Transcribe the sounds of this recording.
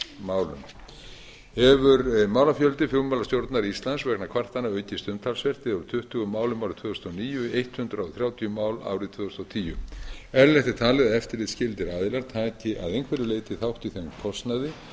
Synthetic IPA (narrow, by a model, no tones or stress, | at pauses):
maːwlʏ̰n | hɛvʏɾmaːwlafjœlt̪ɪfjowmawlast̪jowɾt̪naɾist̪laðsvɛknakʰv̥ar̥t̪anːaœːɥcɪst̪ʏmt̪ʰalsvɛr̥t̪ɪðaɾʏ̥t̪ʰʏht̪ʏɣʏmaːwlʏmawɾɪt̪ʰvʏːʏst̪ːɔniːjʏejht̪hʏnt̪ɾawθɾjaːwt̪ʰijʏmaːwla̰ːwɾɪt̪ʰv̥ʏːʏst̪ɔwt̪ʰiːjʏ̰ɛɾlɛht̪ɪ̥t̪ʰaːlɪðaðɛft̪ɪɾlɪðscɪlt̪ɪɾaːðɪlaɾt̪ʰaːcɪʔa̰ðejnkʰvɛɾɪleːjt̪ɪθawht̪iθekʰɔst̪naðɪ